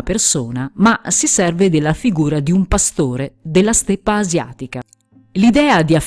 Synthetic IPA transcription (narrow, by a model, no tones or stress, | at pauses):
persoːnamasisɛrved̪elːafiɡuːɾad̪iumpast̪oːɾed̪elːast̪epːaːzja̰ːt̪ika | lid̪ɛːad̪iaf